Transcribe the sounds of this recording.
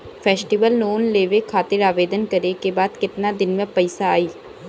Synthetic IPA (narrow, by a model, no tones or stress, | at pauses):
fʰɛːsʈiʋəlnoːnleːʋekʰaːt̪ɪɾaːʋeːd̪ənkɐɾekebaːd̪kɪt̪nad̪ɪnmẽpɐɪsaaːiː